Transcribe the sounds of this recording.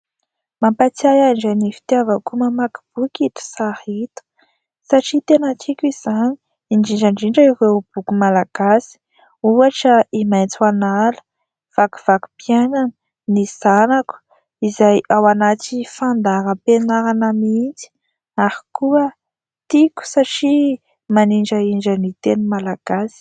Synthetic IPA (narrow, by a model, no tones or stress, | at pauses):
mampat͡sajaɳɖ͡ʐanifi̥t̪iavəkumamaki̥b̥ukʲit̪u̥sahit̪u̥ | saʈ͡ʂit̪enat͡sikʲiz̥ani̥ | iɳɖ͡ʐiɳɖ͡ʐaɳɖ͡ʐiɳɖ͡ʐəiɾewb̥ukumalaɡ̥asi̥ | uaʈ͡ʂəimajnt͡swanalə̥ | v̥aku̥v̥aku̥pjananə | niz̥anaku̥ | izajawanat͡sifand̪aɾəpenaɾanəmint͡si̥ | aɾi̥kuə | t̪ikʲu̥saʈ͡ʂi | maniɳɖ͡ʐəiɳɖ͡ʐənit̪enumalaɡ̥asi̥